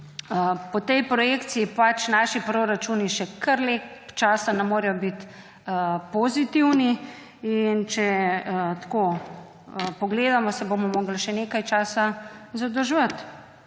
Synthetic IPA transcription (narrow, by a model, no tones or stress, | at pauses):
əpɔt̪ɛjpɾɔjeːkt̪siipat͡ʃnaːʃipɾoɾat͡ʃuːniʃɛkʰɐɾlet͡ʃaːsanɛmoːɾɛjɔbit̪ | pozit̪iwni | int͡ʃɛət̪ko | əpɔɡleːd̪amɔsɛbomɔmoːɡlʃɛneːkajt͡ʃaːsazad̪ɔʒʋət̪